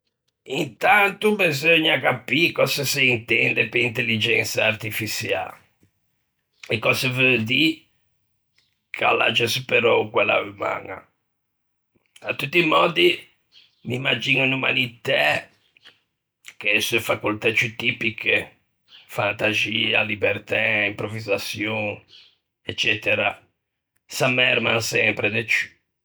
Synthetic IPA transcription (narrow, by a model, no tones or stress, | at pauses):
int̪ant̪ubizoɲːakapikɔsasiint̪ɛnd̪ɛpeint̪elːid͡ʒɛnsaːɾt̪ifisja̰ | ɛkːɔsevød̪i | kʰa̰lːa̰d͡ʒɛspɛɾɔkwɛlːa̰vuma̰ŋa̰ | at̪ːut̪ːimɔːd̪i | mimːad͡ʒinuinuma̰lit̪ɛ | kesuefakult̪at͡ʃut̪ipike | fant̪aziːalibɛɾt̪ɛimpɾovizasjɔn | ɛt͡ʃːɛt̪ɛɾa | samɛɾmansɛmpɾɛd̪ɛt͡ʃu̥